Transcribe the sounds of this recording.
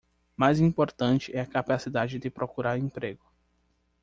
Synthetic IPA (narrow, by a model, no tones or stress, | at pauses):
majzĩpoɾt̪ɐ̃nt͡ʃɪɛɐkapasid̪ad͡ʒɪd̪ɪpɾokuɾaɾĩpɾeɡʊ